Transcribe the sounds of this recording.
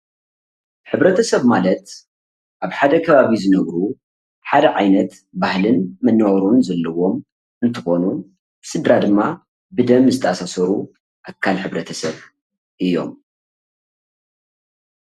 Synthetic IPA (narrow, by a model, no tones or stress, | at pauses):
ħɨβɾɐt̪ʰɐsɐβmalɐt̪ | ʔaβħad̪ɐkʰɐβaβizɨnɐβɾu | ħad̪ɐʕajnɐt̪ | bahlɨnmɐnːɐɣɐɾunzɐlːɐwo̞m | ʔɨnt̪ʰɨxo̞nu | b̥ɨsɨd̪ɾad̪ɨmːa | bɨd̪ɐmzɨt̪ʰɐʔasasɐɾu | ʔakʰːalħɨβɾɐt̪ʰɐsɐβ | ʔɨjːo̞̰m